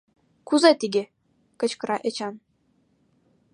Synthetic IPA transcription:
kuzɑt̪ʲiɡʲe | kə̆t͡ɕkɤ̆ɾʔɑʔĕt͡ɕɑn

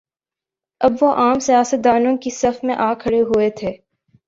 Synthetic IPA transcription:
ɐbʋoʔaːmsijaːsət̪̚d̪aːnõkisɐfmẽʔaːkʰɐɽeɦuet̪ʰeː

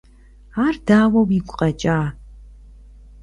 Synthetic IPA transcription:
aːrdaːwɐwiɡʷʼqʼɐt͡ʃʼaː

